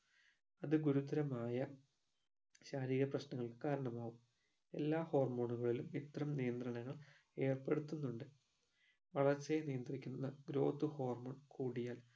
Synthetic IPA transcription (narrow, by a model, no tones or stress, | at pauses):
ɐðɨɡuɾud̪ɐɾɐmaːjɐ | ɕaːɾiːɣɐprɐɕnɐŋːɐɭkaːɾɐɳɐmaːɣum | e̞̰lːaːho̞ːrmo̞ːɳuɣɐɭilumit̪rɐmnijɐnd̪rɐɳɐŋːɐɭ | e̞ːrpe̞ɽut̪ːunːuɳɖɨ | ʋɐɭɐrt͡ɕːenijɐnd̪rikʲːunːɐɡɾo̞̰ːt̪ːuho̞ːrmoːɳkuːɽijaːl